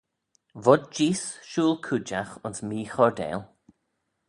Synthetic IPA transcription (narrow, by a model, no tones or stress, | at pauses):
vɔd̚d͡ʒiːsʃuːlˠkʰud͡ʒaxʊnsmiːxɔɹd̪ɛ̰ːlˠ